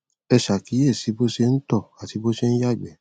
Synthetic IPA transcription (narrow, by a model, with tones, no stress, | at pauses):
ɛ˧ʃa˨ki˨˦ɛ˦˨si˨˦bo˦se˧n̩˦tɔ˦˨a˨ti˨˦bo˦se˦˧ñ̩˦ja˦˨ɡ͡bɛ˨˦